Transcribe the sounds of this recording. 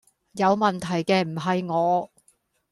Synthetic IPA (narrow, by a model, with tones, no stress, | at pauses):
jɐ˨˧wmɐ˨nt̪ʰɐ˨˩jkɛː˧m̩˨˩ɦɐ˨jŋɔː˨˧